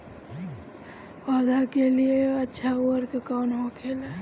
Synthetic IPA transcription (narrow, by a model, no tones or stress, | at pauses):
waːd̪ʱakelieətːʃʰauəɾkekaːnɦõkʰeːle